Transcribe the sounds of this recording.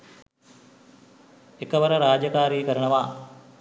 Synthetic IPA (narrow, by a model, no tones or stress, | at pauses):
ekəʋəɾəɾaːd͡ʒɐkaːɾiːkəɾəɳəʋaː